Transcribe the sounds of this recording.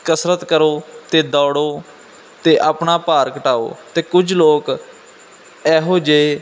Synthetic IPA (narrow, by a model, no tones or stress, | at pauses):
kəsɾət̪kəɾoːt̪eːd̪ɔːɽoː | t̪eːʔaːpnaːpaːɾkəʈaːo̰ːt̪eːkʊd͡ʒloːk | ɛːɦoːd͡ʒee